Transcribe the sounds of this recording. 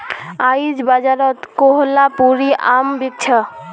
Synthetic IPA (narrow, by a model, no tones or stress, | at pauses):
ajd͡ʒbad͡ʒaɾɔt̪koɦlapuɾiʔa̰mbik̚t͡ʃʰə